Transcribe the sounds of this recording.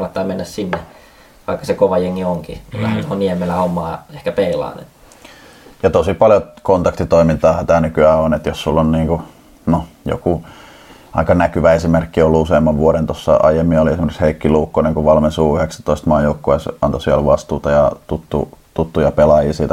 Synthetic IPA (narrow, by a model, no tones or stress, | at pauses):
nːɑt̪ːɑːmenːæssinːe | ʋɑikːɑ̥sekoʋɑjeŋːioŋkimulːæhænt̪ohoniemelæomːɑːehkæpeilɑ̰ːnḛt̪ | jɑt̪osipɑljot̪kont̪ɑkt̪it̪oimint̪ɑːhɑt̪æhːnykyæːonet̪jossulːonniːŋku | nojo̰ku | ɑ̰ikɑnækyʋæesimerkːiolːuuseˑimːɑʋʋuoɾent̪osːɑ̰ʔɑ̰jemːioliesimerisheikːiluːkːoneŋkuʋɑlmesuːyheksæ̥t̪oist̪mɑːjoukːoɑsʔɑnt̪osielʋɑst̪uːt̪ɑjɑt̪ut̪ːṵt̪ut̪ːujɑpelɑjiːsiːt̪æ